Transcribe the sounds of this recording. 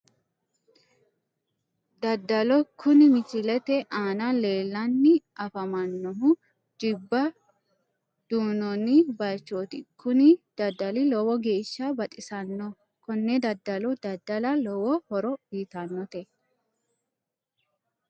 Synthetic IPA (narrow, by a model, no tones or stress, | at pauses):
d̪ɐd̪ːɐlɔkʰʊnɪmɪt͡ʃɪlɛt̪ɛʔaːnɐle̞ːlːɐnːɪɐfɐmɐnːɔɦʊ | d͡ʒɪbːɐ | d̪̥uːnɔnɪbɐjt͡ʃːoːt̪ɪkʰːʊnɪd̪̥ɐd̪ːɐlɪlɔwɔɡe̞ːʃːɐbɐt̪ʼɪsɐnːɔ | kɔnːɛd̪ɐd̪ːɐlɔd̪ɐd̪ːɐlɐlɔwɔhɔɾɔbiːt̪ɐnːɔt̪ɛ